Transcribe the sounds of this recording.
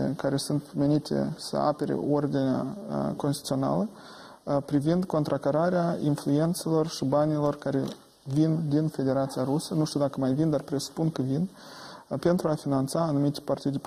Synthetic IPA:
kaɾe̞sunt̪me̞nit̪ḛsə̰a̰pe̞ɾḛo̞rd̪inea̰konst̪it̪sio̞na̰lə | pɾivind̪ko̞nt̪ɾakaɾaɾeainflue̞nt̪se̞lo̞rʃibanʲilo̞rkaɾe̞ | vind̪infe̞d̪e̞ɾat̪sijaɾusənuʃt̪iuwd̪akəmajvind̪arpɾe̞su̥punkəvin | pe̞nt̪ɾuafinant̪saːnumit̪ʲpart̪id̪ʲ

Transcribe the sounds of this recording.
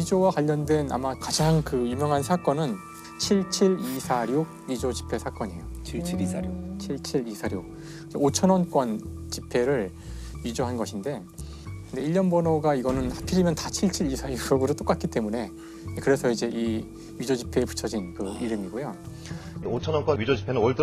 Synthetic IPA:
ɥid͡ʑowakwaʎːʌndwe̞na̰makad͡ʑaŋkɯjumjʌŋɦansʰak͈ʌnɯn | t͡ɕʰiɭt͡ɕʰiɭisʰaɾjo | ɥid͡ʑod͡ʑi̥pʰe̞sʰak͈ʌɲḛjo̰ | t͡ɕʰiɭt͡ɕʰiɾisʰaɾjo | id͡ʑeot͡ɕʰʌnwʌnk͈ʌnt͡ɕipʰe̞ɾɯɭ | ɥid͡ʑoɦanɡʌɕʰinde̞ | kɯnde̞iʎːʌnbʌnʌɡaiɡʌnɯnhapʰiɾimjʌntat͡ɕʰiɭt͡ɕʰiɾisʰaɾjooɡɯɾɯt͈ok͈at̚k͈ʰit͈e̞mune̞ | kɯɾe̞sʰʌid͡ʑe̞ʔi | ɥid͡ʑod͡ʑipʰe̞ːpu̥t͡ɕʰʌd͡ʑinkɯiɾɯmiɡojo | ot͡ɕʰʌnwʌnk͈ʌɥid͡ʑod͡ʑipʰenɯnwʌɭt͈

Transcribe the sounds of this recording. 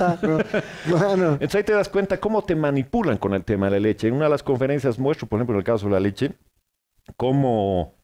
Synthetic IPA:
aoklanoent̪osait̪e̞ðaskwe̞nt̪ako̞mo̞t̪e̞manipulaŋko̞ne̞lt̪e̞maðelale̞t͡ʃenunaðelasko̞ɱfe̞ɾe̞nsjazmwest̪ɾopoɾexemplonelkas̬o̞ðelale̞t͡ʃe̞ | ko̞mo

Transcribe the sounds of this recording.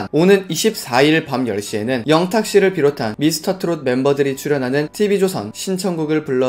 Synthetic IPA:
nonɯniɕʰip̚s͈aiɭpamjʌɭɕ͈ie̞nɯnjʌŋtʰak̚ɕ͈iɾɯɭpiɾotʰanmisʰɯ̥tʰʌtʰɯɾod̚me̞mbʌdɯɾit͡ɕʰuɾjʌnɦanɯntʰibid͡ʑosʰʌ̰nɕʰint͡ɕʰʌŋɡuɡɯɭpuɭːʌ

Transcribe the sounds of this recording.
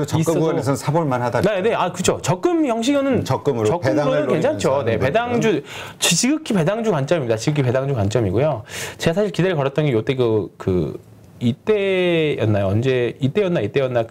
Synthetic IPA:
t͡ɕisʌnes̬ʰʌsʰaboɭmanɦadanene̞akɯd͡ʑʰot͡ɕʌk͈̚ɯmjʌŋɕ̬ʰiɡjʌnɯnt͡ɕʌk͈ɯmɾt͡ɕʌkɯmɾonɯnkwe̞ŋt͡ɕʰant͡ɕʰone̞pe̞daŋd͡ʑut͡ɕt͡ɕiɡɯkʰipe̞daŋd͡ʑukwant͡ɕ͈ʌmimɲid̪at͡ɕiɡɯkʰipe̞daŋd͡ʑukwant͡ɕ͈ʌmiɡujot͡ɕeɡasʰaɕʰiɭkide̞ɾkʌɾʌt͈ʌŋijot͈eɡɯkɯ̰ | it͈e̞jʌnːajoʌnd͡ʑe̞it͈e̞jʌnːait͈e̞jʌnːa

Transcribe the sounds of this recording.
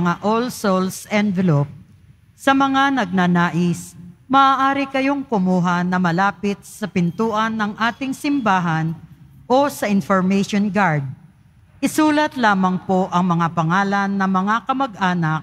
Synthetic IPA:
ŋaʔolsolsʔɛnvɛlop̚ | sɐmɐŋanɐɡ̚nanaːʔɪsmɐaːʔaːɾɪkɐjo̞ŋkʊmuːɦɐnɐmɐlaːpɪt̪̚sɐpɪnt̪uːʔɐnːɐŋʔaːt̪ɪŋsɪmbaːɦɐnʔo̞sɐʔɪnfoɹmɛjʃonɡaɹd̪̚ | ʔɪsuːlɐt̪laːmɐŋpo̞ʔɐŋmɐŋapɐŋaːlɐnːɐmɐŋakɐmɐɡ̚ʔaːnɐk̚

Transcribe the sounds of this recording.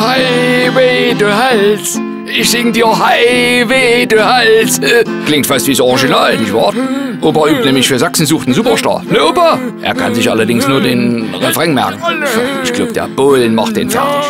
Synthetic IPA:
haɪveːduhals | ʔɪçsɪŋdiːɐhaɪveːduːhalsklɪŋtfastviːsɔʁɡinalnɪçvɑːɐtʔoːpɐʔyːp̚tnɛːmɪçfyːɐzaksn̩zuːχtn̩zuːpɐʃlɑ̰ːnøʔoːpaʔḛːɐkʰa̰nzɪçʔa̰lɐdɪŋsnuːɐdeːnʁɛfʁɛŋmɛ̰kŋ̩ʔɪʃɡ̥laʊbəd̥ḛːɐb̥olnma̰χt̚d̥eːnfa̰ɐt

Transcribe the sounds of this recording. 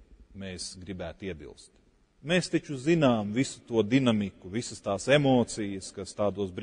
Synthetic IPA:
meːsɡɾibæːt̪iɛbḭlˠst̪ | meːst̪it͡ʃuzinaːmvisu̥t̪uɔd̪inamikuvisəst̪aːsemoːt̪sijəskast̪aːd̪uɔs̬bɾ

